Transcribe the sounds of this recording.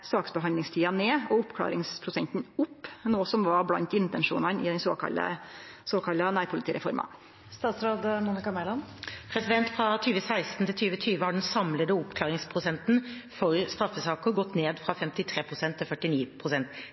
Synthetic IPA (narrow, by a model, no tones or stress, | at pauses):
sɑːksbəɦɑnd̪ɪŋst̪ʰiːɑneːɔʊpkʰlɑ̰ːɾɪŋspʰɾʊsɛnt̪n̩ʊpːnoːsɔmʋɑɾblɑnt̪ɪnt̪ɛnʂṵːnɑnɪd̪ɛnso̰ːkɑ̰lə̰soːkʰɑlːɑnæːɾpʰʊlɪt̪iːɾɛ̰fɔ̰ɾmɑ̰ | st̪ɑːt̪sɾoːd̪munɪkɑmɛlɑnpʰɾɛsɪd̪ɛnt̪fɾɑt̪ʰyːʋəsæɪst̪n̩t̪ʰɪlt̪ʰyːʋət̪ʰyːʋəhɑɖɛnsɑmləd̪əʊpkʰlɑːɾɪŋspʰɾʊsɛnt̪n̩fɔɾst̪ɾɑfːəsɑːkəɡɔt̪ːneːd̪fɾɑfɛmt̪ɪt̪ʰɾeːpʰʁʊsɛnt̪ʰːɪlfœʈːɪniːpʰʁʊsɛnt̪